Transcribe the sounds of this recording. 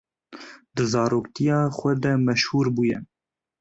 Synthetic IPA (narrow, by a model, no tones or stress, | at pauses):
d̪ɨzɑːɾoːkt̪ijɑːxʷɛd̪ɛmɛʃhuːɾbuːjɛ